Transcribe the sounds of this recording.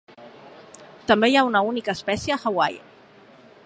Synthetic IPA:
t̪əmbejaunəunikəːspɛsjəxəwa̰j̰

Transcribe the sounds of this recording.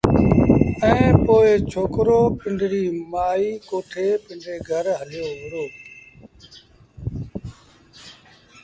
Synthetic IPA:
ɛ̃ːpoːɪt͡ʃʰoːkɾoːpɪ̃ɳɖʱɽiːmaːiːkoːʈʰeːpɪ̃ɳɖeːɡʱəɾɦəljoːʋɪɾoː

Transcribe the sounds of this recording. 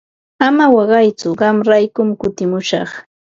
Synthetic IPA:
amawɑɢɑjt͡sʊɢɑmɾajkʊmkʊt̪ɪmʊʃɑ̰χ

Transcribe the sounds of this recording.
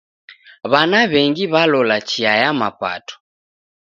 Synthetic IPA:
βanaβɛŋɡiβalɔlat͡ʃiajama̰pa̰tɔ̥

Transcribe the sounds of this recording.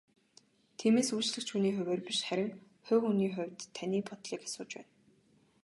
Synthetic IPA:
t̪ʰiːmeːsujt͡ɕɮɘ̆xt͡ɕxuniːxɵ̟weːrpiʃχæɾʲɪ̆ŋ | xʊːxuniːχʊwʲt̪ʰːanʲiːpʰɔt̪ɮiːkḁsʊːt͡ɕpæ̰ːn

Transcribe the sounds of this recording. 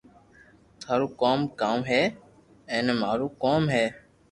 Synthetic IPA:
t̪ʰaːɾuːkoːmkaːmɦeː | ɛ̃ːneːmaːɾuːkoːmɦeː

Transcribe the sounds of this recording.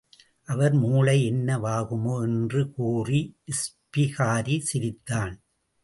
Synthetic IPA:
ʔɐʋɐɾmuːɭɐɪɛnːɐʋaːɣɯmoːɛndrɯkuːriɪspɪɣaːɾisɪɾɪt̪ːaːn

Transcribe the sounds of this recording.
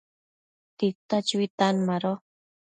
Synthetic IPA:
t̪it̪at͡ʃuit̪anmaɾo

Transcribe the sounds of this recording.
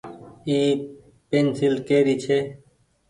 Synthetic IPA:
iː | peːnsɪlkeːɾiːt͡ʃʰeː

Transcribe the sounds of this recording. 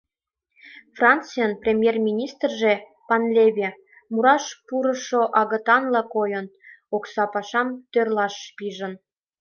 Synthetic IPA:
frɑnt͡sijənprʲemʲjermʲinʲist̪rʒe | pɑnlʲeβʲe | muɾɑʃpuɾə̆ʃoʔɑɣə̆t̪ɑnlɑkojən | oksɑpɑʃɑmt̪ørlɑʃːpiʒə̆n

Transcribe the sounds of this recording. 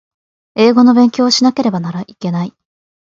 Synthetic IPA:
e̞ːɡo̞no̞bẽ̞ŋkʲo̞ːɕinake̞ɾe̞banaɾaʔike̞nai

